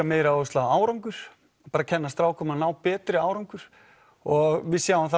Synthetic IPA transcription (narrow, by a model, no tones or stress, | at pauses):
ameːjɾaʏst̪laaːwɾawŋkʏɾ̥ | apaːɾacʰɛnːast̪ɾaːwkʰɔmanaːwpɛːt̪ɾɪaːwɾawŋkʏɾ̥ | ɔɣvɪðsjaːwamθ